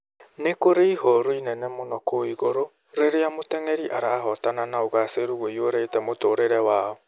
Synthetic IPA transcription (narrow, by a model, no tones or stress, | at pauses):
nekoɾeihɔɾoinɛnɛmonɔkoiɣoɾo | ɾeɾeamotɛŋɛɾiʔaɾaːɦɔtananaoɣaseɾuɣwoioɾetɛmotoːɾeɾɛwaːɔ